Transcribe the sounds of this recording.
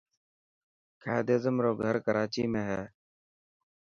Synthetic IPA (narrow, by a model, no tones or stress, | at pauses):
kʰaːd̪eːzəmɾoːɡʱəɾkəɾaːt͡ʃiːmẽːɦɛː